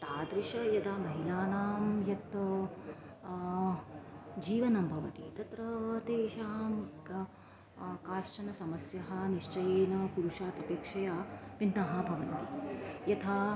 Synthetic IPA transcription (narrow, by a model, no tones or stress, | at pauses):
t̪aːd̪ɾiʃɐjɐt̪ʰaːmɐɦilaːnaːmjɐt̪ | d͡ʒiːʋɐnɐmbʱɐʋɐt̪it̪ɐt̪ɾɐt̪eːʃaːm | kaːʂt͡ʃɐnɐsɐmɐsjɐɦɐ̆niʂt͡ʃɐjeːnɐpuɾuʃaːt̪ɐpeːkʂɐjaːpint̪ɐɦɐ̆bʱɐʋɐnt̪ijɐt̪ʰaː